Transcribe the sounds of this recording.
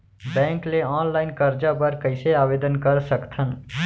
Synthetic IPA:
bɛ̃ːŋkleɔːnlaːɪnkəɾd͡ʒapəɾkəɪseaːʋeːd̪ənkəɾsəkt̪ʰən

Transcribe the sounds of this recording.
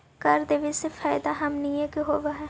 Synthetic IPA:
kɐɾd̪eʋisefaːɪd̪aɦɐmnijẽkiɦoːʋaɦɛː

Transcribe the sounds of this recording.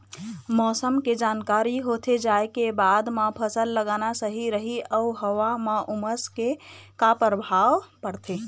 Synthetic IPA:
mɔsəmked͡ʒankaɾiɦot̪ʰed͡ʒaekebad̪mapʰəsəlːəɡanasəɦiɾəɦiəɦəwamaʔuməskekapəɾbʱawpəɾt̪ʰe

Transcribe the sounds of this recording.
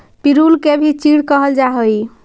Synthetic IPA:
piɾulkebʱit͡ʃiɽkəɦəld͡ʒaɦəj

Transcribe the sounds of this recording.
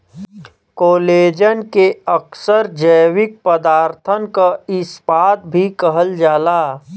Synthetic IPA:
koːleːd͡ʒənkeəksəɾd͡ʒəjwɪk̚pəd̪aːɾt̪ʰənkaɪsbaːt̪̚bʱikəɦəld͡ʒaːlaː

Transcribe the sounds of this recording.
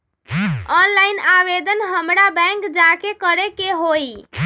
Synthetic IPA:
ɔnlainaʋed̪ənɦəmɾabɛ̃ŋkd͡ʒakekəɾekeɦoj

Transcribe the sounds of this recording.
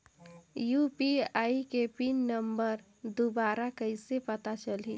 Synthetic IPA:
jupiajikepinəmbəɾ | d̪obaɾakəɪsepət̪at͡ʃəlɦḭ

